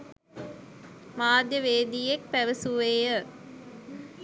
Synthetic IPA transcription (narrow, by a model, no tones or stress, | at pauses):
maːd̪jəʋeːd̪iːek̚pæʋəsuʋeːjə